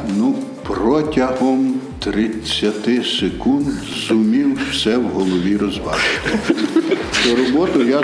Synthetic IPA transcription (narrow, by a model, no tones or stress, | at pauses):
nuprɔtʲɐɦɔm | t̪ɾɪt͡sʲːɐt̪ɪsekund̪ | zʊmʲiwwsɛwɦɔlˠɔʋʲiɾɔzʋɑt͡ʃɪ̥t̪ɪ | t̪ɔɾɔbɔt̪ʊja